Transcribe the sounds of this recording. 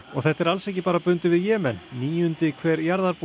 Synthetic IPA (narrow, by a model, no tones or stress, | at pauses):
ɔɣθɛht̪ːɛɾalsɛhcɪpaːɾapʏnt̪ɪvɪðjɛːmɛnːiːjʏnt̪ɪkʰvɛːɾjaɾðaɾp